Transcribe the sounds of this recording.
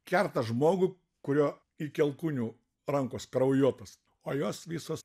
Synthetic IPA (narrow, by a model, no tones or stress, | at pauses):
kʲɛrt̪ɐʒmoːɡʊ | kʊɾʲoː | ikʲɛlˠkuːnʲuː | ɾɐŋkoːskɾɐʊjuɔt̪oːs | oːjoːsʋʲiːsoːs